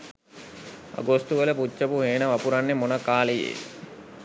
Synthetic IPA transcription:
a̰ɡost̪uʋələput͡ʃːəpuɦeːnəʋapuɾanːemonəkaːlejḛː

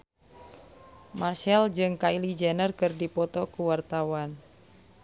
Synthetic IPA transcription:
marʃɛld͡ʒɨŋkailid͡ʒɛnərkɨrdipɔt̪ɔkuwart̪awan

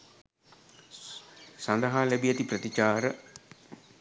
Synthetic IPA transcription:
sand̪əɦaːlɛbijat̪iprət̪it͡ʃaːɾə

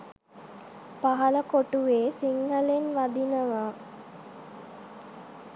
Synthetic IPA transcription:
paɦɐləkoʈuʋeːsiŋɦəlenʋad̪inəʋa

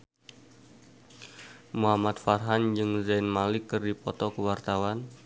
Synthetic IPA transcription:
muɦamat̪̚farɦand͡ʒɨŋzanmalɪkːɨrdipɔt̪ɔkəwart̪awan

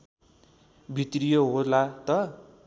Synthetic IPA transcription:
bʱit̪rijoɦorlat̪ʌ

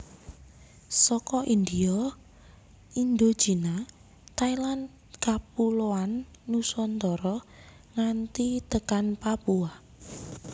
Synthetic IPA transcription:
sɔkɔʔind̪iɔ | ind̪o̥d͡ʒ̥ina | t̪ailan | kap̚uloanː | usɔnt̪ɔɾɔ | ŋant̪it̪əkanpapua

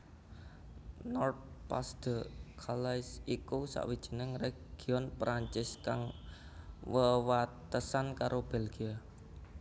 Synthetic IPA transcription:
nɔrt̪̚pa̰sd̪̥ə̤kʰalaɪsikusa̰ʔwid̥ʒ̥ə̤nəŋɾɛ | ɡ̥iɔnpɾʔaɲt͡ʃɪskaŋ | wəwat̪əsankaɾʔob̥ɛlɡ̥ia

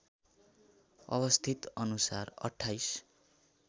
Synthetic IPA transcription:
ʌ̰βʌst̪ʰit̪ʌnusarʌ̰ʈʰːajs

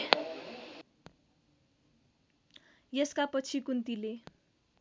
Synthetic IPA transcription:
jeskapʌt͡sʰikunt̪ile

